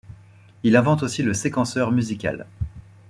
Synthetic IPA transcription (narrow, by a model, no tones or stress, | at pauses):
ilɛ̃vɑ̃t̪osiləsekɑ̃sœʁmyzikʲa̰l